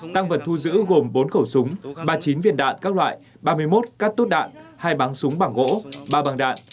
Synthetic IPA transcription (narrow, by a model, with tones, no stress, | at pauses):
t̪a˧ŋvə˨˩t̚t̪ʰu˧zɨ̰˧˥ɣo˨˩mɓo˨˦nxə˧˩wsʊ˨˦ŋ͡mɓaː˧t͡ɕi˨˦nvḭ˧˨ənɗa̰ː˧˨nkaː˦˥k̚lwa̰ː˧˨j | ɓaː˧mɨ˧əjmo˦˥t̚kaː˦˥k̚t̪u˦˥t̚ɗa̰ː˧˨nʔhaː˧jɓaː˨˦ŋsʊ˨˦ŋ͡mɓaː˧˩ŋɣo̰˧˥ɓaː˧ɓaː˧ŋɗa̰ː˧˨nʔ